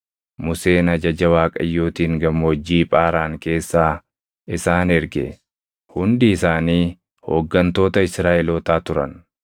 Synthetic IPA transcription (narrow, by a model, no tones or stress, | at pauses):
mʊse̞ːnɐd͡ʒɐd͡ʒɐwaːkʼɐ̰jːoːt̪iːŋɡɐmɔd͡ʒːiːpʼaːɾaːŋke̞ːsːaː | ʔɪsaːnɛɾɡɛ̰ | hʊnd̪ɪːsaːniː | ho̰ːɡːɐnt̪o̞ːt̪ɐɪsɾaːʔɛloːt̪aːt̪ʊɾɐ̰n